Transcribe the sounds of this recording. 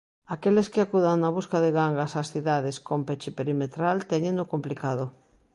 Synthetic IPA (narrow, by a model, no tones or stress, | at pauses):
akeleskeakuðaŋnaβ̞uskaðeɣaŋɡasasθiðaðeskompet͡ʃepeɾimet̪ɾalt̪eɲẽnokomplikaðo